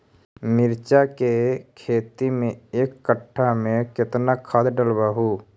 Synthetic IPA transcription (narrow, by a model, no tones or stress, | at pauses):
mɪɾt͡ʃakekʰeːt̪imẽeːkːəʈʰːamẽkɪt̪nakʰad̪ɖəlbəɦuː